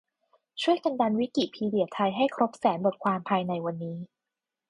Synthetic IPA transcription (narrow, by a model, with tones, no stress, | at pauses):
t͡ɕʰu˥˩əjka˧nda˧nwi˦˥ki˨˩t̪̚pʰiː˧di˨˩ət̪ʰa˧jɦa˥˩jkʰɾo˦˥p̚sɛː˩˦nbo˨˩t̪̚kʰwaː˧mpʰaː˧jna˧jwa˧nːiː˦˥